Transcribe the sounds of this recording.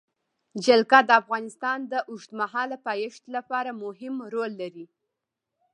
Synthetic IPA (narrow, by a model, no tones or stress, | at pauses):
d͡ʒalkad̪əafɣɑnɪst̪ɑnd̪əʔʊʃt̪maɦɑlapɑjɪʃt̪lapɑɾamʊɦɪmɾolːaɾi